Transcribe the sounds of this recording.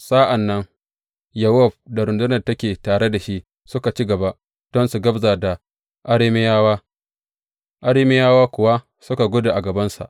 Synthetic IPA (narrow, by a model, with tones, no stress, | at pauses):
sa˦ʔa˨nːɐ˦ŋ | jɐ˨wɔ˦˨b̚da˨ɾʊ˨ndʊ˦nɐ˨rtɐ˦kʲeː˨taː˨ɽe˦da˨ʃi˦ʔ | sʊ˦ka˨t͡ʃi˦ɡɐ˨ba˦ʔ | d̥ɔ˦nsu˨ɡɐ˦bza˨da˨ | ʔa˦ɽɪ˦mɪ˦jaː˦waː˦ | ʔa˦ɽɪː˦mɪ˦jaː˦waː˦kʷʊ˨wa˦ | sʊ˦ka˨ɡʷʊ˦da˨ʔa˨ɡɐ˨bɐ˦nsa̰˨ʔ